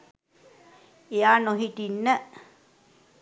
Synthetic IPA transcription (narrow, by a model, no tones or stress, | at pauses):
eaːnoɦiʈinːə